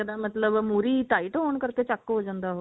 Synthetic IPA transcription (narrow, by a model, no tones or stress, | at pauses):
əd̪amət̪ləbmuɾiːʈaiʈɦoɳkəɾt̪et͡ɕakːəɦod͡ʑənd̪aɦo